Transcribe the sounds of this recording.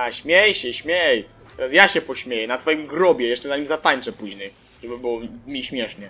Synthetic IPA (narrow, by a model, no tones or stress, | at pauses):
aɕmʲjɛjɕɛɕmʲjɛj | t̪ɛɾasjaɕɛpɔɕmʲjejɛnat̪fɔjimɡɾɔbʲjɛjɛʂt͡ʂɛzaɲimzat̪aɲt͡ʂɛpuʑɲɛj | ʐɛbɘbɨwɔmʲiɕmʲjɛʂɲɛ